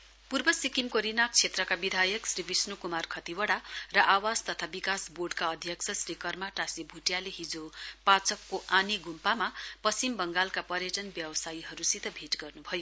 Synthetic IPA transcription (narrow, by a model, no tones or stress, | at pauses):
purbʌsikimkoɾinak̚t͡sʰet̪rʌkabid̪ʱajʌksribisnukumarkʰʌt̪iwʌɽarʌʔawad͡zt̪ʌt̪ʰabikasborɖkaʌd̪ʱjʌksʰʌsrikʌrmaʈasibʱuʈjaleɦid͡zopat͡sʌkːoʔaniɡʱumpamapʌsimbʌŋɡalkapʌɾjʌʈʌnbjʌwʌsajiɦʌɾusit̪ʰʌbʱiʈɡʌrnubʱʌjo